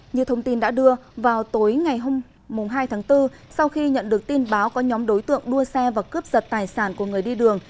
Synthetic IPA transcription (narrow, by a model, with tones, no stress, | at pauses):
ɲɨ̰˧˥˨t̪ʰə˧wŋ͡mt̪i˧nɗa̰ː˧˥ɗɨ˧əvaː˨˩wt̪o˨˦jŋa˨˩jɦo˧mː | ʊ˨˩ŋ͡mɦaː˧jt̪ʰaː˨˦ŋt̪ɨ˧ | sa˧wxi˧ɲə̰˧˨nɗɨ˨˩ək̚t̪i˧nɓaː˨˦wkɔ˨˦ɲɔ˨˦mɗo˨˦jt̪ɨ̰˧˨əŋɗu˧əsɛ˧vaː˨˩kɨ˦˥p̚zə˨˩t̚t̪aː˨˩jsaː˧˩nku˧˩əŋɨ˨˩əjɗi˧ɗɨ˨˩əŋ